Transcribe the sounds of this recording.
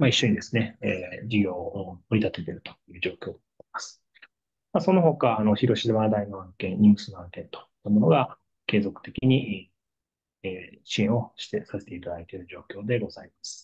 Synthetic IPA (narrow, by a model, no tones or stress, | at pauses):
maiɕːo̞ɲ̟id̪e̞sɨ̥neeːd͡ʑiɡʲo̞ːoɾit̪at̪e̞t̪e̞ɾɯ̟t̪o̥jɯ̟ːʑo̞ːkʲoːd̪eai̥masɨ̥ | maso̞no̞ɦo̞kaːnoçiɾo̞ɕizemaːd̪ainoãŋkẽ̞nɲʲɨːsɨnoãŋkẽ̞nt̪o̥t̪ːamo̞no̞ɡa | ke̞ːzo̞kɯ̟̥t̪e̞kʲiɲ̟iʔ | ɕiẽo̞ɕi̥t̪esase̞̥t̪e̞it̪ad̪ait̪e̞ɾɯ̟ʑo̞ːkʲo̞ːd̪e̞ɡo̞zaimasɨ̥